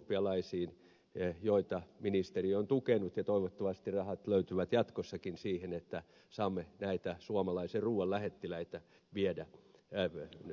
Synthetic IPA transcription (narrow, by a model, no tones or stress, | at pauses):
pːiɑlɑisiːn | joit̪ɑminist̪eriont̪ukenut̪jɑt̪oiʋot̪ːoʋɑst̪irɑhɑt̪løyt̪yʋæt̪jɑt̪kosːɑkinsiːhenet̪ːæ | sɑːmːenæit̪æsuɑmɑlɑiserruːwɑllæhet̪ːilæit̪æ | ʋiedæ